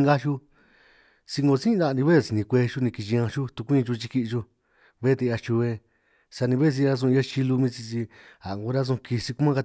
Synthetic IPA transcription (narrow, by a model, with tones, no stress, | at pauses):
ŋɡa˦ʃu˦ | si˧ŋɡo˧sĩ˦˧d̪a˧˨˧ĩ˧βe˦˨si˧nĩ˧kʷe˧ʃu˦nĩ˧ki˧t͡ʃi˧ã˧ʃu˦t̪u˧kʷĩ˦˧t͡ʃu˧t͡ʃi˧ki˧ʔt͡ʃu˧ | βe˦t̪e˧a˧t͡ʃu˧βe˧ | sa˧nĩ˧βe˦˧s̬i˧ɾa˧s̬ũ˧a˦t͡ʃi˧lu˧mĩ˦˧t͡ʃi˧t͡ʃi˧a˨ŋɡu˧ɾa˦s̬ũ˧ki˧si˧ku˦mã˦˧a˧